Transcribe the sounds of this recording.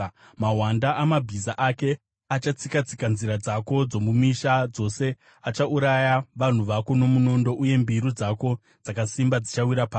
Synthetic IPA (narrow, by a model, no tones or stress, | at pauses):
maɦwandaʔamabʱizaʔake̞ | at͡ʃat͡sikat͡sikanziɾad͡zako̞d͡zo̞mumiʃad͡zo̞se̞ | at͡ʃauɾajaʋan̤uʋako̞nomuno̞ndo̞ʔuje̞mbiɾud͡zako̞ | d͡zakasimbad͡zit͡ʃawiɾapaː